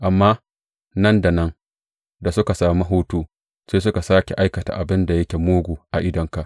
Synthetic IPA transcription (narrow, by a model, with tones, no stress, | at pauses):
ʔa˨mːaː˦ | nɐ˦nda˨nɐ˦ŋ | da˨sʊ˦ka˨saː˨mi˦ɦoː˦tuː˦ | seː˦s̬ʊ˦ka˨saː˦kʲḛ˨ʔa˦jkɐ˨ta̰˨ʔa˨bɪ˦nda˨jɐ˦kʲe˨moː˦ɡʷuː˨ʔa˨ʔɪ˦dɐ˨ŋka˨ʔ